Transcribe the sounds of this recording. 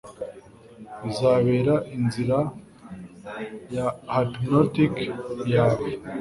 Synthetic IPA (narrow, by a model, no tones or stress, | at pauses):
βizaːβe̞ːɾaʔinziɾa | jahatmnotikjaːβe